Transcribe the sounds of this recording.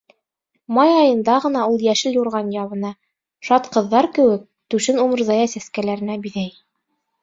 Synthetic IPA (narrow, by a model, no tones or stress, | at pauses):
mɑjɑjɤ̆nd̪ɑʁɤ̆nɑulˠjæʃɘljuɾʁɑnjɑβɤ̆nɑ | ʃɑt̪qɤ̆ðːɑɾkɘ̆wɘk̚t̪ʉʃɘnumɤ̆ɾzɑjɑsæskælæɾɘ̆næbiðæj